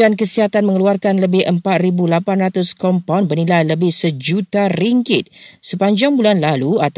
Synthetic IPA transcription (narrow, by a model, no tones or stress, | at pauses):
ankəsiɦat̪anmə̃ŋəluarkanləbɪhʔəmpat̪̚ɾibulapanrat̪ʊskɔmpawnbərnilajləbɪhsəd͡ʒut̪aɾiŋkɪt̪̚səpaɲd͡ʒaŋbulanlaluat̪